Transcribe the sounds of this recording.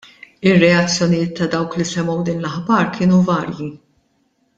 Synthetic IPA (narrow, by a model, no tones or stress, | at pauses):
ɪrːɛɐt͡sːjɔnɪjɪːt̪ːɐd̪ɐwklisɛmːɔwd̪ɪːnlɐħbɐːɾkʰɪːnuvɐːɾji